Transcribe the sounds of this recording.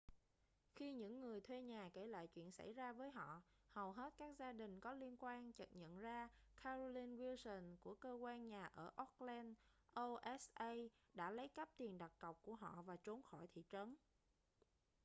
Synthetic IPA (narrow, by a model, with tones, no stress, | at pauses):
xi˧ɲɨ̰˧˥ŋːɨ˨˩əjt̪ʰwe˧ɲaː˨˩ke˧˩la̰ː˧˨jt͡ɕwḭ˧˨ənsa̰˧˩jzaː˧vəː˨˦jɦɔ̰˧˨ | hə˨˩wɦe˦˥t̚kaː˦˥k̚zaː˧ɗï˨˩ŋ̟kɔ˨˦li˧ənkwaː˧nt͡ɕə˨˩t̚ɲə̰˧˨nzaː˧kʰaː˧zo˧li˧nvi˧sə˨˩nku˧˩əkəː˧kwaː˧nɲaː˨˩ʔəː˧˩ʔɔ˦˥k̚lɛ˧nʔo˧ʔɛ˦˥sʔə˧j | ɗa̰ː˧˥lə˨˦jkə˦˥p̚t̪i˨˩ənɗa˨˩t̚kə˨˩wk͡p̚ku˧˩əɦɔ̰˧˨vaː˨˩t͡ɕo˨˦nxɔ˧˩jt̪ʰḭ˧˨t͡ɕə˨˦n